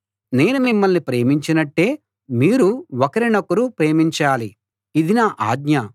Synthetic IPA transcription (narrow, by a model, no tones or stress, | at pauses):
ne̞ːnumimːɐlnipɾe̞ːmiɲt͡ʃinɐʈːe̞ː | miːɾuwɔkɐɾinɐkːuɾupɾe̞ːmiɲt͡ʃaːli | id̪inaːʔaːɡɲɐ